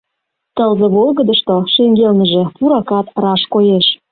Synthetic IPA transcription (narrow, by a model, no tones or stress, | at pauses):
t̪əlzeβolɣəd̪əʃt̪oʃeŋɡelnə̆ʒĕpuɾɑkɑt̪rɑʃkojeʃ